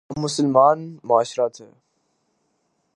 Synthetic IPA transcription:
mʊsəlmaːnmʊaːʃɾaːt̪ɦɛ̰ː

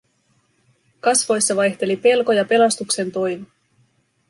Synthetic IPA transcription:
kɑsʋo̞jsːɑʋɑjçt̪e̞lipe̞lko̞jɑpe̞lɑst̪ukse̞nt̪o̞jmi

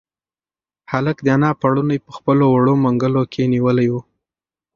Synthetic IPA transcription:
haləkd̪əanɑpaɽunajpəxpəlowaɽomaŋɡəlokʰeniwəlajwu

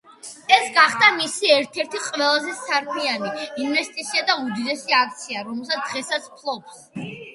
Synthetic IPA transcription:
ɛsɡaχd̪amisiɛɾt̪ʰɛɾt̪ʰiqʼwɛlˠazɛsaɾkʰmianiinvɛst̪ʼit̪sʰiad̪aud̪id̪ɛsiakʰt̪sʰiaɾɔmɛlˠs̬at̪d̪ʁɛsat̪sʰpʰlˠɔps

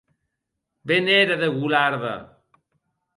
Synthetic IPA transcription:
beneɾaðeɣulaɾða̰

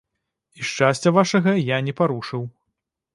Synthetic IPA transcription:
iʂt͡ʂasʲt͡sʲɐvaʂɐɣɐjanʲɛpaɾuʂɨw

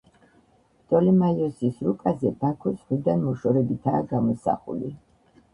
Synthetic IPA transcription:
t̪ʼɔlimajɔsisɾukʼazɛbakʰɔsʁwid̪anmɔʃɔɾɛbit̪ʰaːɡamɔsa̰χṵli

